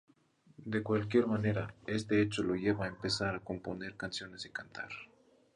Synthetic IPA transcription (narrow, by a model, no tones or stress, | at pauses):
d̪e̞kwalk̬je̞ɾmane̞ɾae̞st̪eet͡ʃolo̞ʝe̞βaːempe̞saɾako̞mpo̞ne̞ɾkansjo̞ne̞sikant̪ʰa̰ɾ